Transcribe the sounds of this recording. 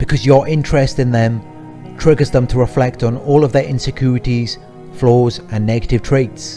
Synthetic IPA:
b̥ɪkʰʌzjəɹʔɪ̃nt͡ʃɹ̥ɛstɪ̃nðə̃m | tʰɹ̥ɪɡəzðə̃mtʰəɹɪflɛk̚tn̩ɔːlˠəvðəɹʔɪ̃nsɪkʰj̥uːɹɪtiz̥ | flɔːzə̃nːɛɡətɪv̥tʰɹ̥eɪts

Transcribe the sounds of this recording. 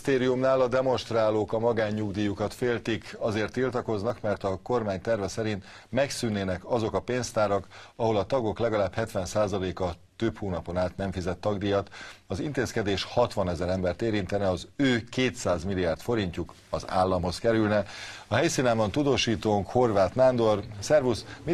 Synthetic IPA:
t̪eːɾijumnaːlɒd̪ɛmo̞nʃt̪raːloːkɒmɒɡaːɲːuɡd̪iːjukɒt̪feːlt̪ikɒzeːrt̪ːilt̪ɒko̞znɒkmɛrt̪ɒko̞rmaːɲt̪ɛrvɛsɛɾint̪ | mɛksynːeːnɛkɒzo̞kɒpeːnst̪aːɾɒkɒɦo̞lɒt̪ɒɡo̞klɛɡɒlaːbhɛt̪ʋɛnsaːzɒleːkɒt̪øphuːnɒpo̞naːt̪nɛɱfizɛt̪ːɒɡd̪ijɒt̪ɒzint̪eːskɛd̪eːʃhɒt̪ʋɒnɛzɛɾɛmbɛrt̪eːɾint̪ɛnɛɒzøːkeːt̪saːzmilːijaːrt̪fo̞ɾiɲcuk | ɒza̰ːlːɒmɦo̞skɛɾylnɛɒɦɛjsiːnaːbɒnt̪ud̪oːʃiːt̪oːŋkho̞rvʋaːt̪nand̪o̞rsɛrvusmi

